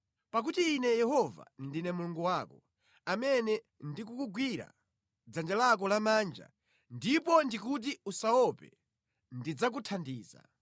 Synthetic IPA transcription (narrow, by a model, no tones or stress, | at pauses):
pak̬utiːnɛjɛɦɔva̰ndinɛmuluŋɡuwaːkɔ | amɛnɛ | ndik̬ukuɡwiɾa̰ | d͡zand͡ʒalak̬ɔlamaːnd͡ʒa̰ | ndipɔndik̬ut̬iusaɔpɛ̰ | ndid͡zak̬utʰandiːza̰